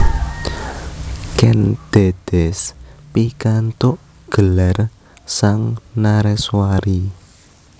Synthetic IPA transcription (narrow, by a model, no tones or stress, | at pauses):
kɛnd̪̥ed̪̥ɛspikant̪oʔ | ɡ̥əlar | saŋnaɾɛswaɾi